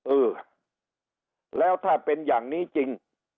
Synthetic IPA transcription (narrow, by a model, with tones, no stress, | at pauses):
ʔɯː˨˧˩ | lɛː˦˥wt̪ʰaː˥˩pe˧njaː˨˩ŋniː˦˥˩t͡ɕi˧ŋ